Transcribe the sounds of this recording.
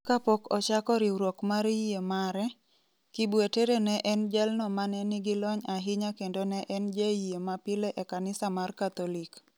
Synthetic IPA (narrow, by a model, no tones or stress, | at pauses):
kapokɔt͡ʃakɔɾiɾwokmaɾiiemaɾɛ | kibweteɾenɛʔɛnd͡ʒɛlnɔmanɛnɪɡilɔɲaɦɪɲakendonɛʔɛnd͡ʒeiemapɪleʔekanɪsamarkat̪ɔlik